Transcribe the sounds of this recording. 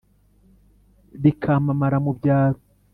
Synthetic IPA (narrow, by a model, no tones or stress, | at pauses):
ɾikʰamamaɾamubɟaːɾo